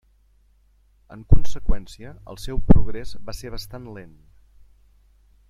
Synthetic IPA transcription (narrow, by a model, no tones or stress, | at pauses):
ə̰ŋkunsəkwɛnsiəə̰lˠsɛwpɾuɣɾezbaseɾβəst̪anlen